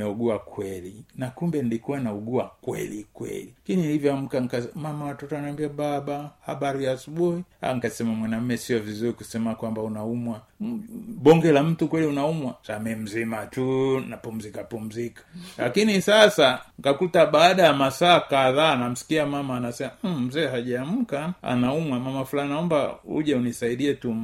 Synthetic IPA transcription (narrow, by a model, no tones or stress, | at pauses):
ɛuɡuakwɛlinakumbɛndikuwanauɡuakwɛ̰likwɛ̰likinilivjɔam̩kaŋkamamawatɔtɔanaambiababaha̰baɾijaːsubuhia̰ŋkasɛmamwanam̩mɛsiɔvizuɾikusɛmakwambaunaumwa | bɔŋɡɛlam̩tukwɛliunaumwasamɛm̩zimatunapum̩zikapum̩zikḁlakinisasaŋkakutaɓaːɗajamasaːkaðaːnam̩si̥kiamamaːnasɛmam̩zɛːɦaʄaːm̩kaa̰naumwamamafulahinaɔmba̰ṵʄaunisaiɗiɛtum